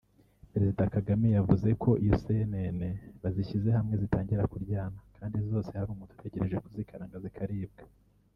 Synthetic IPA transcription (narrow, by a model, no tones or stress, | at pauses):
peɾezidakaɡamijavuze̞kʰo̞ʔijosenene̞βaziçize̞hamŋe̞zitaːɲɟiɾakuɾɟaːnakʰaːndizo̞ːse̞haɾuːmutu̥tʰe̞ɟe̞ɾe̞ʒe̞kuzikʰaɾaːŋɡazikʰaɾiːb̚ɡḁ